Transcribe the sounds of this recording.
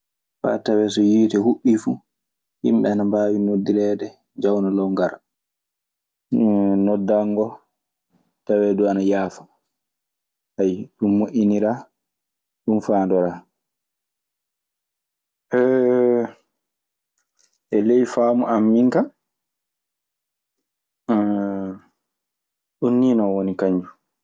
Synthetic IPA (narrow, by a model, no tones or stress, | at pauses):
fa̰tawɛsɔjiːtɛhuɓːifu | hḭmɓɛanambaːwinodilɛːdɛ | d͡ʒawnalɔŋɡaɾa | nɔdːaŋɡɔ | tawɛduanajaːfḁ | hajɗumːoʔʲiniɾaː | ɗumfaːndɔɾaː | ʔɛ | ʔɛlejfaːmuʔamːiŋkam | ɗunːiːnɔwonikaɲd͡ʒu